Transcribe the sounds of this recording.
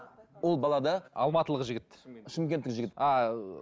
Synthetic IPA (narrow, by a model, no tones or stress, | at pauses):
wolˠbɑlˠɑd̪ɑɑ̰lˠmɑt̪əlˠəʁəʒɪɡʲɪt̪ʃɪmkʲe̞nt̪ːɪkʒɪɡʲɪt̪ɑ